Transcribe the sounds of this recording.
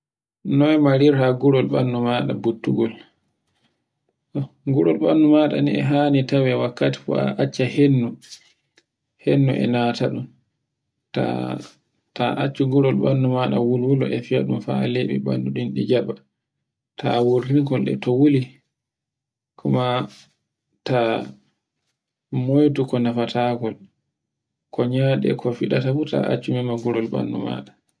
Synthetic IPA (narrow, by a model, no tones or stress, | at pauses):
nɔjmaɾiɾhaɡuɾɔlɓanːumaːɗabutːuɡɔl | ʔɔɡuɾɔlɓanːumaɗa̰niɛ̰ɦaːnitawɛwakːati̥fɔa̰ʔat͡ʃːahenːu | henːuʔɛ̰nataɗum | ta̰ | taʔat͡ʃːuɡuɾɔlɓanːumaɗawulwulɔʔɛfiaɗumfaleɓḭbanduɗinɗid͡ʒaɓa | tʰawuɾiŋkɔlɗɛ̰tɔwuli | kʰuma | ta | mojtukɔnafatʰaɡɔl | kʰɔɲaɗɛ̰kʰɔfiɗatafuta̰ʔa̰t͡ʃːumɛmaɡuɾɔlɓa̰nːṵma̰ɗa